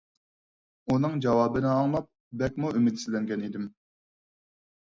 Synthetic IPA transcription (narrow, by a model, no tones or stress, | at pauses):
unɨŋd͡ʒɑwɑːbɨnɪɑŋmɑp̚ | bɛkʲmuʔymɪd̪sɪlɛŋɡʲɛnid̪ɪm